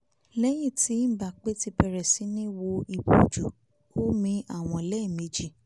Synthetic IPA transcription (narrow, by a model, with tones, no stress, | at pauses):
lɛ˦j̃ĩ˦˨ti˨˦n̩˦˨ba˨k͡pe˦ti˧pɛ˧ɾɛ˨si˨˦nĩ˦wo˧i˧˨bo̰˨d͡ʒu˨ | o˦mĩ˧a˦˨w̃ɔ̃˧˨lɛ˦˨me˨˧˦d͡ʒi˦˨